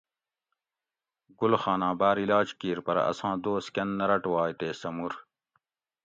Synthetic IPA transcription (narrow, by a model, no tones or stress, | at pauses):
ɡulxaːnãːbaːɾilaːd͡ʑkiːɾpɐɾɐ̰sãːd̪oːskɐnːɐɾɐʈwaːjt̪eːsɐmuɾ